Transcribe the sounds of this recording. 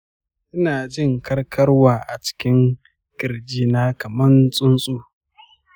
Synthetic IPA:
ʔɪ˦naː˨d͡ʒɪ˦˨ŋkʰɐ˦rkʰɐ˦rwaː˨ʔa̰˨t͡ʃɪ̥˦kʲɪ˦ŋ | kʲʼɪ˨ɾd͡ʒiː˦naː˦kɐ˨mɐ˦nsʼʊ˦nsʼuː˦

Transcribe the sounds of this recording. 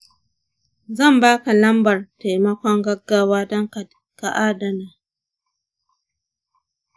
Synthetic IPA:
zɐ˦˨mbaː˦ka˨lɐ˦mbɐ˨rta˨jmɐ˦kʷɔ˦ŋɡɐ˦ɡːaː˦waː˦dɔ˦ŋka˨d | ka˨ʔaː˦da˨naː˨

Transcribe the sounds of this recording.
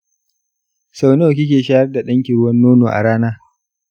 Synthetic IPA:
sa˨wno˦wk̬ʲɪ˦k̬ʲeː˨ʃaː˦hɐ˦rda˨ɗɐ˦ŋkʲi˨ɽʊ˦wɐ˦nːoː˦noː˨ʔa̰˨ɽaː˦naː˦

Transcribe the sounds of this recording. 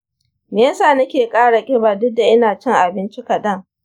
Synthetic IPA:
meː˨jɐ˦saː˦˨nɐ˦kʲeː˨kʼaː˦ɽa˨kʲʼɪ˦baː˨dʊ˦dːa˨ʔɪ˦naː˨t͡ʃɪ˦˨ŋʔa˨bɪ˦nt͡ʃɪ˦kɐ˨dɐ˦˨ŋ

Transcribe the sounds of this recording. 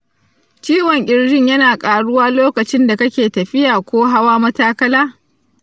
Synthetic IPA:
t͡ʃiː˦wɔ˨ŋʔʲʼɪ˦ɽɽɪ˦ɲjɐ˦naː˨kʼaː˨ɽʊ˦waː˦loː˦kɐ˨t͡ʃɪ˦nda˨kɐ˦kʲeː˨tɐ˨ɸɪ˦jaː˨kʷoː˦ɦa˦waː˦mɐ˦taː˦kɐ˦laː˦

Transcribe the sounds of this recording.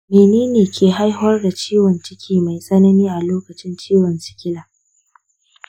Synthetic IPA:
meː˨neː˦neː˨kʲʰeː˨ɦa˦jɦʊ˦ɐ˦rda˨t͡ʃiː˦wɔ˨nt͡ʃɪ˦kʲʰiː˦ma˨jsʼɐ˦nɐ˦niː˦ʔa˨loː˦kɐ˨t͡ʃɪ˦nt͡ʃiː˦wɐ˨nt͡ʃɪ̥˨kʲɪ˦laː˨

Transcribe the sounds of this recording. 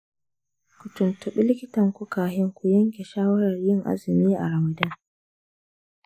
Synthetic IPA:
kʷʊ˨tʊ˨ntʊ˨ɓɪ˦lɪ˦kʲɪ˦tɐ˨ŋkʷu˦kaː˨ɦɪ˦ŋkʷu˦jɐ˦ŋkʲe˨ʃaː˦wɐ˦ɾɐ˨rjɪ˦˨ŋʔa̰˦zɪ˨miː˦ʔa̰˨ɾa˨ma˨dɐ˦ŋ

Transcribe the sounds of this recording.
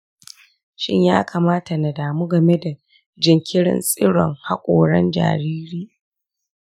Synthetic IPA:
ʃɪ̰˦ɲjaː˦kaː˨maː˦ta˨na˨daː˨mu˦ɡɐ˨me˦da˨ | d͡ʒɪ˨ŋkʲɪ˦ɽɪ̰˦˨nsʼɪ˦ɽɔ̰˨ŋha˦kʷʼoː˨ɽɐ˦nd͡ʒa̰ː˨ɾiː˦ɾiː˦

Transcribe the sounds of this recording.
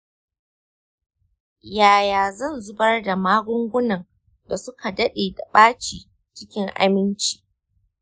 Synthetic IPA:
jaː˨jaː˨zɐ˦˨nzʊ˦bɐ˦rda˨maː˦ɡʷʊ˦ŋɡʷʊ˦nɐ˨ŋ | da˨sʊ˦kʰa˨dɐ˦ɗeː˨da˨ɓaː˦t͡ʃiː˨ | t͡ʃɪ˦kʲɪ˦ŋʔa̰˦mɪ˦nt͡ʃi̥ː˨

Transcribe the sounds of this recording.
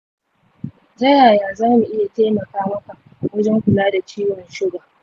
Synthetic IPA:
zɐ˦jaː˨jaː˨zaː˦mu˨ʔɪ˦ja˨teː˦mɐ˨kaː˦mɐ˦ka˨ʔ | wɐ˦d͡ʒɛ˦ŋkʷʊ˨laː˦da˨t͡ʃiː˦wɐ˨nʃɪ˦ɡa˨

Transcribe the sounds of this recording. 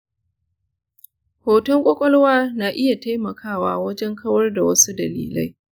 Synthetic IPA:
hoː˨tɔ˦ŋkʷʼɔ˦kʷʼɔ˦lwaː˦naː˨ʔɪ˦ja˨ta˦jmɐ˨kʰaː˦˨waː˦wɐ˦d͡ʒɛ˦ŋkʰɐ˦wɐ˦rda˨wɐ˦su˦dɐ˨lḭː˨la̰˦j

